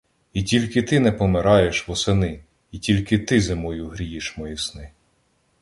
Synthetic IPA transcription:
itʲilʲkɪt̪ɪnɛpɔmeɾɑjeʃʋɔsenɪ | itʲilʲkɪt̪ɪzemɔjuɦɾʲijiʃmɔjisnɪ

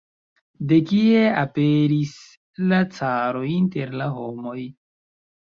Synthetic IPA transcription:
de̞kieapeɾis | lat͡saɾo̞jinteɾlaɦo̞mo̞j

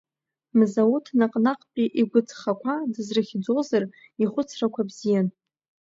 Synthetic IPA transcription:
mzautʰnaqʼnaqʼpʼiʔiɡʷʊt͡sʰʼχakʷʰadɨzrɨχʲd͡zo̞zar | iχʷʊt͡sʰrakʷʰabzijan

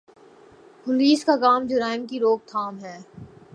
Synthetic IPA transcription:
pʊliːskakaːmd͡ʒʊɾaːɪmkiɾoːk̚t̪ʰaːmɦɛː

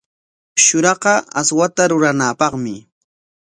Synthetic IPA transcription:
ʃʊɾɑqɑaswat̪aɾʊɾanaːpɑχmɪ

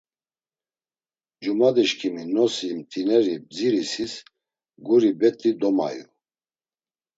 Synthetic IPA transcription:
d͡ʒumad̪iʃkʰiminɔsimt̪ʼinɛɾib̚d͡ziɾisis | ɡuɾibɛt̪ʼid̪ɔma̰jṵ

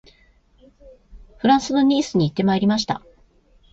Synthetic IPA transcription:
ɸɯ̟ɾãɰ̃sɨno̞ɲ̟iːsɨɲ̟iːt̪ːe̞maeɾʲimaɕ̬i̥t̪a̰

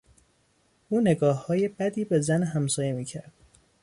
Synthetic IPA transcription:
ʔuːne̞ɡɒːhːɒːje̞bæd̪iːbe̞zænɦæmsɒːje̞miːcʰæɾd̪̥

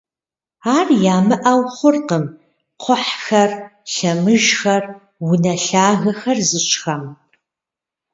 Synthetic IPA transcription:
aːrjaːmɨʔawχʷʊrqəm | qʷʰʊħxɐrɬɐmɨʒxɐr | wʊnɐɬaːɣɐxɐrzɨɕxɐm

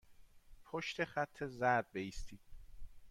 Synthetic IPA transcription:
pʰoʃt̪ʰeχæt̪ʰːe̞zæd̪̚beiːst̪ʰiːd̪̥

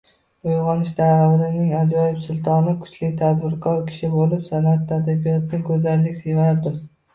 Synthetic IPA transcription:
ojʁɒnɪʃd̪aawɪlɪnɪŋad͡ʒɒjɪbsʊlˠt̪ʰɒnɪkʰʊ̥t͡ʃlɪt̪ʰad̪bɪɾkʰɒɾkʲʰɪ̥ʃɪbolɪpsanat̪ːad̪abijɒt̪nɪɡɵzalːɪkʲse̞vaɾd̪ɪ

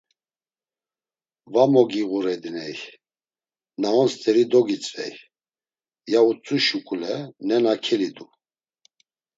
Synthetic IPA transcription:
vamɔɡiɣuɾɛd̪inɛj | naɔnst̪ʼɛɾid̪ɔɡit͡sʼvɛ̰j | jaut͡sʼuʃukʼulɛnɛnakʰɛlid̪u

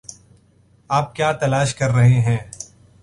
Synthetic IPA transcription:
aːp̚kjaːt̪ɐlaːʃkɐɾːɐɦeɦɛ̃ː

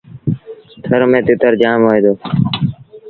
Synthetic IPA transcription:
t̪ʰəɾmẽːt̪ɪt̪əɾd͡ʒaːmɦoːeːd̪oː

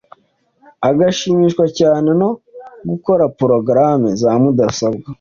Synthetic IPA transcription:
aɡaʃimiːʃkwacaːne̞no̞ɡuko̞ɾapɾo̞ɡɾamezaːmudasabɡa

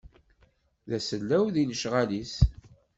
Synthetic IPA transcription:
ðæsəlːæwðinəʃʁalis

